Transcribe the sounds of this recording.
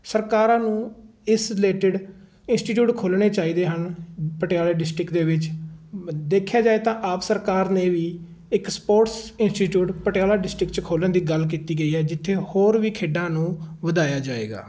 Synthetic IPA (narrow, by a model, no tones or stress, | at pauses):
səɾkaːɾãːnũːɪsɾɪleːʈɪɖ | ɪnsʈiːʈ̬juːʈkʰoːlɳeːt͡ʃaːiːd̪eːɦənpəʈejaːlaːɖɪsʈɾɪkd̪eːʋɪt͡ʃ | d̪eːkʰjaːd͡ʒaːeːt̪ãːʔaːpsəɾkaːɾneːʋiː | ɪkspoːʈsɪnsʈiːʈjuːʈpəʈjaːlaːɖɪsʈɾɪkt͡ʃkʰoːlənd̪iːɡəlk̬iːt̪iːɡəiːɦɛːd͡ʒɪt̪ʰːeːhoːɾʋiːkʰeːɖãːnũːʋəd̪aːjaːd͡ʒaːḛːɡa̰ː